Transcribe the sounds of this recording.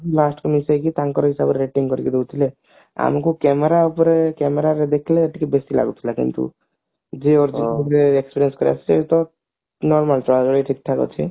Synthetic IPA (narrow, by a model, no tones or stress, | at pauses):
lasʈkɔmisakit̪aŋkɔɾɔɦisabɾeɾeʈiŋkɔɾiked̪ewt̪ʰile | a̰mkukɛmeɾaupɔɾekɛmeɾaɾed̪ekʰleəʈikebesila̰ɡut̪ʰilakḭnt̪ṵ | d͡ʒeɔɾd͡ʒiukɾeekspiɾiənskɔɾḛa̰t͡ʃʰet̪ɔ | nɔɾmalʈɾaɡɔɽiʈʰik̚t̪ʰakɔ̰t͡ʃʰḭ